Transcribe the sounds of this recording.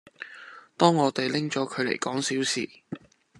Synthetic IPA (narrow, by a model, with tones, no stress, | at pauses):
t̪ɔː˥ŋːɔː˨˧t̪e˨jlɪ˥ŋt͡ʃɔː˨˥kʰɵ˨˧ɥlḛ˨˩jkɔː˨˥ŋsiː˨˥wsḭː˨˩